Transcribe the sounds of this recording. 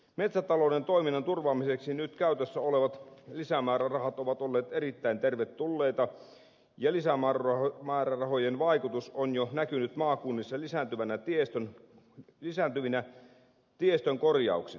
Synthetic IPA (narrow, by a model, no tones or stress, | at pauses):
met̪sæt̪ɑloːnent̪o̞iminːɑnt̪urʋɑːmiseksinyt̪kæyt̪øsːæoleʋɑt̪lisæmæːrærɑhɑt̪oʋɑt̪olːeːt̪erit̪ːæint̪erʋet̪ːulːeit̪ɑ | jɑlisæmærɑmæːrærɑhojenʋɑikut̪usonjonækynyt̪mɑːkunːisːɑlisænt̪yʋænæt̪iest̪øn | lisænt̪yʋinæ | t̪iest̪øŋkorjɑ̰ˑuksi